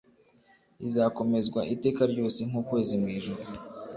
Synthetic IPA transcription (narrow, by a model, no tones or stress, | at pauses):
izaːko̞me̞zɡwaʔite̞ːkaɾɟo̞ːse̞ŋ̥uːkwe̞ːzimŋiːʒuɾu